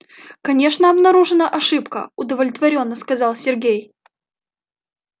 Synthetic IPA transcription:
kɐnʲe̞ʂnəɐbnɐɾuʐɨnəʔɐʂɨpkə̰ʊd̪əvlʲɪt̪vɐɾʲo̞nːəskɐzɑlˠsʲɪrɡʲej

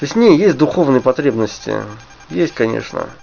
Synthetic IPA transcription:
t̪osʲtʲnʲejesʲt̚ʲd̪ʊxovnɨjəpɐt̪ɾʲebnəsʲtʲɪ̰ | jesʲtʲkɐnʲḛʂnə̰

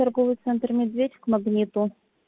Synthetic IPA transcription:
ɐrɡovɨjt̪sɛnt̪rmʲɪd̪vʲedʲɪkmɐɡnʲit̪u

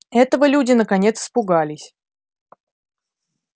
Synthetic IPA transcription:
ɛt̪əvəlʲudʲɪnəkɐnʲe̞t̪spʊɡalʲɪsʲ

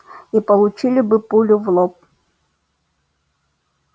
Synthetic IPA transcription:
ipɐlˠʊt͡ɕilʲɪbɨpulʲʊvlˠɔp̚

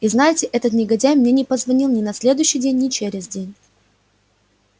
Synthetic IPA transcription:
iznajɪtʲɪʔɛt̪ət̪nʲɪɡɐdʲæjmnʲenʲɪpəzvɐnʲilˠnʲɪnɐsʲlʲe̞d̪ʊjʏɕːɪjdʲenʲːɪt͡ɕeɾʲɪzʲdʲenʲ

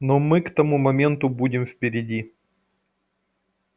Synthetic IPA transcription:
nomɨkt̪ɐmumɐmʲe̞nt̪ʊbudʲɪmfpʲɪɾʲɪdʲi

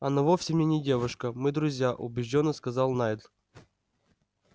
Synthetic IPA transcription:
ɐnɐvofsʲɪmnʲenʲɪdʲe̞vʊʂkəmɨd̪ɾʊzʲjaʔʊ̰bʲɪʐdʲonːəskɐzɑlˠnajd̪lˠ

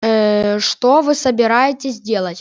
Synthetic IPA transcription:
ʂt̪ovɨsəbʲɪɾajɪtʲɪzʲdʲe̞lˠətʲ

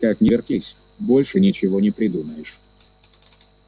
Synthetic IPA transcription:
kaknʲɪvʲɪrt̪ʲisʲ | bo̞lʲʂɨnʲɪt͡ɕɪvo̞nʲɪpɾʲɪd̪uməjɪʂ

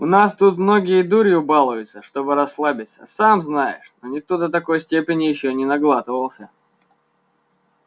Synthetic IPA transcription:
ʊnast̪ut̪mno̞ɡʲɪjəd̪uɾʲɪʊbalˠʊjʊt̪səʂt̪o̞bɨɾɐsːlˠabʲɪt̪sə̥̰samznajɪ̰ʂnonʲɪt̪ud̪ət̪ɐko̞jsʲtʲepʲɪnʲɪjɪɕːonʲɪnɐɡlˠat̪ɨvəlˠsʲə

